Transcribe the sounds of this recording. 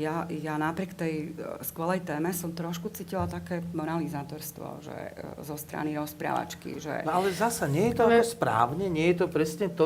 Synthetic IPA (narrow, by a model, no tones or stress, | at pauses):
jajanapɾɪɛkt̪ɛjskʋɛlɛjt̪ɛːmɛsɔmt̪ɾɔʃkut͡siːcilalt̪akɛːmɔnalizaːt̪ɔɾst̪ʋɔ̰ʒɛ̰zɔst̪ɾa̰niɾɔspɾa̰ːʋa̰t͡ʃkḭʒɛ̰nɔalɛzasaɲɪɛjɛt̪ɔɔspɾa̰ːʊɲɛɲɛjɛt̪ɔpɾɛsɲɛt̪